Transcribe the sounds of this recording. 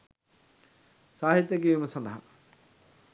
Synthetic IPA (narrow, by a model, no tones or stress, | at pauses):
saːɦit̪jɐk̬ijʋumɐsɐ̃nd̪ɐɦɐ̰